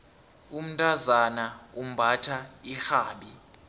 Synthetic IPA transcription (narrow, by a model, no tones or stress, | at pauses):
um̩ntʼazanaum̩bʱatʰaixaːɓi